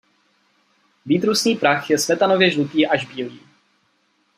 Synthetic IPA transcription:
viːt̪ɾusnɲiːpɾaxjɛsmɛt̪ano̞vjɛʒlut̪iːʔaʒbiːliː

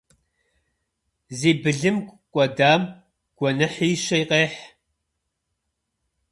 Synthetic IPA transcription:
ziːbɨɮɨmkʷʼkʷʼɔdaːm | ɡ̥ʷɔnɐħiːʃɐjqeːħ

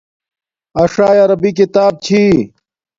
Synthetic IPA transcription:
ɐʂaːjɐɾɐbik̬it̪aːb̚t͡ɕʰi

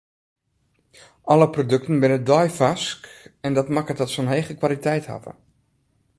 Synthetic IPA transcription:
ʔɔləprodɵk̚tənbɪnədɔjfaskɛndɔtmakətɔtsonɦejχəkʋalitɛjtha̰və̰

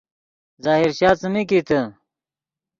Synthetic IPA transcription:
zaːɦiɾɕaːt͡səmikit̪ə

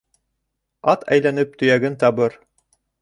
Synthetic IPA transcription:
ɑt̪ʰæ̰jlænɘp̚t̪ɵ̆jæɡɘnt̪ɑbɤɾ

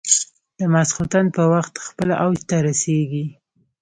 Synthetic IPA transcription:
d̪̥əmasxut̪anpəwaxt̪xpəlaʔawd͡ʒt̪aɾaseɡi

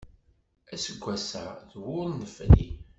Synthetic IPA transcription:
æsəɡʷːæsæðwʊɾˤnəflḭ

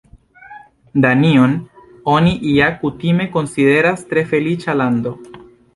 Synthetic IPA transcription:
d̪anion | o̞niʔiakutime̞ko̞nside̞ɾastɾe̞fe̞lit͡ʃaland̪o̞

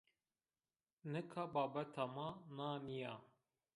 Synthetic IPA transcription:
nɨkʰabɑːbɛt̪ʰamanaːnija

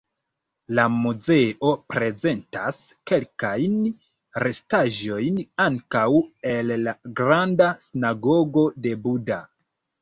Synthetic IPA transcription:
lamuze̞ʔo̞pɾe̞ze̞ntas | ke̞lkajn | ɾe̞staʒo̞jnaŋkawe̞lːaɡɾandasinaɡo̞ɡo̞de̞buda

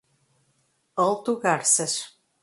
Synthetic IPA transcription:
ɤ̆lˠt̪uɣɑrsə̆ʃ

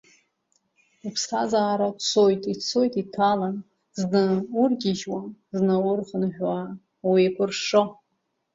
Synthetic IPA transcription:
upʰsχazaːɾat͡sʰojtʰʼit͡sʰo̞jtʰʼitʰalan | znɨurɡʲɪʒwaznawʊrχənħᶣwa | wiakʷʰʊrʂo

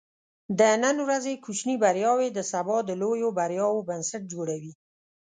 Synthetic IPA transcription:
d̪ənənwɾazekut͡ʃnibaɾjɑwed̪əsabɑd̪əlojobaɾjɑwobansaʈ̚d͡ʒoɽawi

